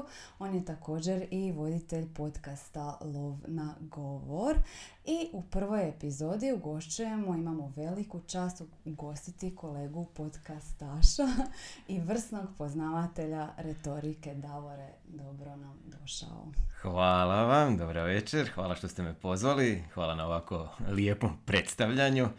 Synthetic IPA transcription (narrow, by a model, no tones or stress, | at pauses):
o̞ːnje̞t̪ako̞ːd͡ʑe̞ɾiʋo̞d̪it̪e̞ʎpo̞t̪kast̪alˠoʋnaɡo̞ʋoɾ | iʔupr̩ʋo̞je̞pizo̞ːd̪iuɡo̞ʃt͡ɕuje̞moimamo̞ʋe̞likut͡ʃaːst̪u | uɡo̞st̪it̪iko̞le̞ːɡupo̞d̪kast̪aʃaiʋr̩sno̞ɡpo̞znaʋat̪e̞ʎaɾe̞t̪o̞ɾike̞d̪aʋo̞ɾe̞ | d̪o̞bɾo̞namd̪o̞ʃa̰o̰xʋaːlaʋamd̪obɾaʋet͡ʃeɾxʋaːlˠaʃt̪ost̪emepo̞zʋalixʋaːlˠanaoʋakoliepompɾe̞t̪st̪aʋʎaɲu